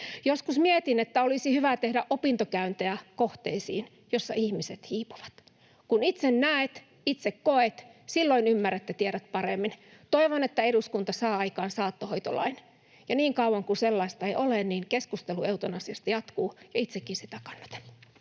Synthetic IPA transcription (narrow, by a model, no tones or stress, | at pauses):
joskusmiet̪inet̪ːæolisihyʋæt̪ehdæʔopint̪okæynt̪eækoht̪eisḭːn | josːɑ̰ʔihmiset̪hiːpuʋɑ̥t̪ | kunit̪sennæet̪ | it̪sekkoet̪silːoinymːæræt̪ːet̪ieɾæt̪̚pɑremːint̪oiʋonet̪ːæeɾuskunt̪ɑsɑːɑikɑːnsɑːt̪ːohoit̪olɑ̰in | jɑniːŋkɑuwɑŋkuselːɑist̪ɑeiʔolenniːnkeskust̪elueut̪onɑsiɑst̪ɑjɑt̪kuːjɑit̪sekːinsit̪ækɑ̥nːɑ̥t̪ɑ̥lː